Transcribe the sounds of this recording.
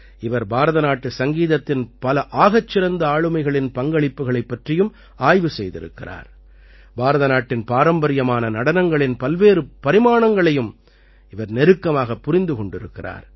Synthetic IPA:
ɪʋɐɾbaːɾɐðɐnaːʈːɯsɐŋɡiːðɐt̪ːɪnpɐlɐʔaːɣɐt͡ʃːɪɾɐnd̪ɐaːɻɯmɐɪɣɐɭɪnpɐŋɡɐɭɪpːɯɣɐɭɐɪpːɐʈrɪjɯm | aːjʋɯsɛjðɪ̰ɾɯ̰kːɪra̰ːɾ | baːɾɐðɐnaːʈːɪnpaːɾɐmbɐɾɪjɐmaːnɐnɐɽɐnɐŋɡɐɭɪnpɐlʋeːɾɯpɐɾɪmaːɳɐŋɡɐɭɐjɯm | ɪʋɐɾnɛɾɯkːɐmaːɣɐpːʊɾɪnd̪ɯkɔɳɖɪɾɯkːɪra̰ːɾ

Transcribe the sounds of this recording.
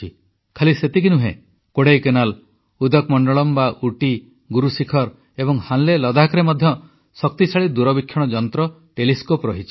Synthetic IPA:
i | kʰaliset̪ikinuɦḛ̃ | koɽejkenal | ud̪ɔkmɔɳɖɔɭɔmbaʔuʈi | ɡuɾusikʰɔɾ | ebɔŋhãnlelɔd̪akɾemɔd̪ʱjɔ | sɔk̚t̪it͡ʃʰaɭid̪uɾɔbikʰːjɔɽ̃ɔd͡ʒɔnt̪ɾɔ | ʈeliskopɾɔɦit͡ʃʰi

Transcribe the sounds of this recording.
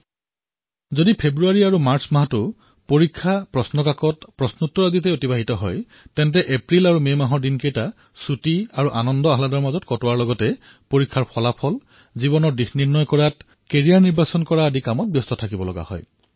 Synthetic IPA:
zodipʰebɹuaɹiaɹumaɹsmaɦatʊ | poɹikʰːapɹɔsnɔkakɔtpɹɔsnutːɔɹazitɛotibaɦitɔɦɔj | tɛntɛʔepɹilaɹumemaɦɔɹdinkejta | sutiaɹuʔanɔndɔaɦladɔɹmazɔtkɔtɔwaɹlɔɡɔtɛ | poɹikʰːaɹpʰɔlapʰɔl | zibɔnɔɹdixniɹnɔjkɔɹat | keɹiaɹniɹbasɔnkɔɹaːdikamɔt̚bjɔstɔtʰakibɔlɔɡa̰hɔ̰j

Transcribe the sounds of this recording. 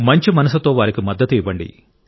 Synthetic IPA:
mɐɲt͡ʃimɐnɐs̬ut̪o̞ːʋaːɾikimɐd̪ːɐt̪iːʋɐɳɖḭ

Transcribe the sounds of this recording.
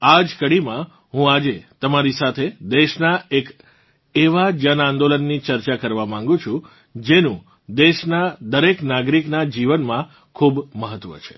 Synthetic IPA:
ad͡ʒkəɽimã | ɦũad͡ʒet̪əmaɾisat̪ʰed̪eʃnaek | eʋad͡ʒənãnd̪olənːit͡ʃəɾt͡ʃakəɾʋamãŋ̆ɡũt͡ʃʰũ | d͡ʒenũ | d̪eʃnad̪əɾeknaɡɾiknad͡ʒiʋənmã | kʰubməɦət̪ʋə̰t͡ʃʰe̥

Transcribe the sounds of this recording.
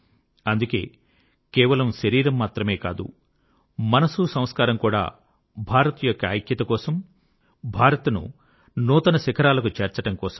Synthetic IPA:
ɐnd̪uke̞̰ː | kɛːʋɐlɐmʃɐɾiːɾɐmːaːt̪ɾɐme̞ːka̰ːd̪ṵ | mɐnɐsusɐm̃skaːɾɐmkuːɽa̰ː | bʱaːɾɐt̪jɔkːɐaːjkjɐt̪ɐkɔːsɐm | bʱaːɾɐt̪nṵ | nuːt̪ɐnɐsikʰɐɾaːlɐkut͡ʃeːɾt͡ʃɐʈɐmkɔːsɐm

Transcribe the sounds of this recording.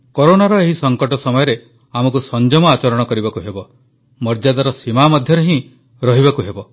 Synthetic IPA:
koɾonaɾɔeɦisɔŋkɔʈɔsɔmɔjɔɾe | amɔkusɔnd͡ʒɔmɔat͡ʃɔɾɔɽ̃ɔkɔɾibakuɦebɔ | mɔɾd͡ʒad̪aɾɔsimamɔd̪ʱjɔɾeɦĩ | ɾɔɦiβakuɦebɔ

